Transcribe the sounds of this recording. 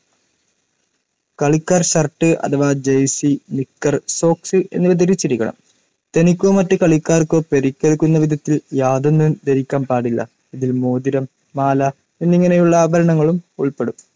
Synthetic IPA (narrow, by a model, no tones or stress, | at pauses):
kɐɭikːaːrɕɐrʈːɨʔɐ̰t̪ʰɐʋaːd͡ʑejsinikːɐrso̞ːksɨʔe̞̰nːɨʋɐd̪ɐɾit͡ɕːiɾikʲːɐɳɐ̰m | t̪enikʲːoːmɐtːɨkɐɭikːaːrkːopeɾikʲːeɭkːunːɐʋid̪ʱɐt̪ːiljaːðonːumd̪ɐɾikʲːaːmpaːɽilːɐ̰ | iðilmoːd̪iɾɐmː | aːlɐ | e̞nːiŋːɐne̞juɭːɐːbʱɐɾɐɳɐŋːɐɭumuɭpe̞ɽum